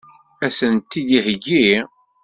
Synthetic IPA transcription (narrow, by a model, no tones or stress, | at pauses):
æsənt̪ːid̪ihəɡi